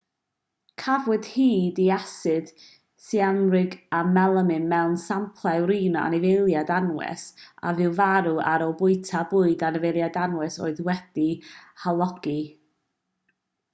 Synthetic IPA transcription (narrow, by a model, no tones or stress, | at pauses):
kʰavwɨd̥hiːdiasɨd̥ | sianrɪɡamɛlˠəmɨnmɛwnsampʰlˠawɾiːnɔa̰nɪvejlˠjadanwɛ̰sa̰vɨwvaɾuaɾɔbʊɨtʰabʊːɨdanəvejlˠjadanwɛso̰ːɨðwɛd̥ihalˠɔɡ̥i